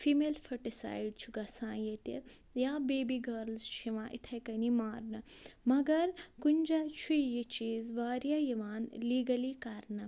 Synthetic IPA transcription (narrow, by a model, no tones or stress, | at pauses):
fʰiːmeːlfʰɐʈisa̰ːjɖ̚t͡ʃʰuɡɐsãːjet̪ejaːbeːbiɡɐɾlzt͡ʃʰiʋãːʔit̪ʰɐjkɐnimaːɾnɨmɐɡɐɾkunʲd͡ʒat͡ʃʰujit͡ʃiːzʋaːɾjajiʋaːnliːɡɐlikɐɾnɐ